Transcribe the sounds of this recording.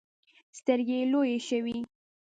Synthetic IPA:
st̪əɾɡelojeʃəwi

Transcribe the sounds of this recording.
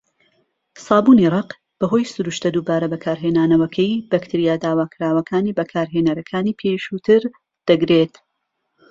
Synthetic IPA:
sɑːbuːnirˤɑq | b̥ɐɦo̞jsʊɾuʃt̪ɐd̪uːbaːɾɐbɐkʰaːɾɦeːnaːnɐwɐkʰɛjbɐkt̪ʰiɾijaːd̪aːwaːkʰɾaːwɐkʰaːniːbɐkʰaːɾɦenɐɾɐkʰaːniːpʰeʃut̪ʰɨɾ | d̪̥ɐɡɾet̪

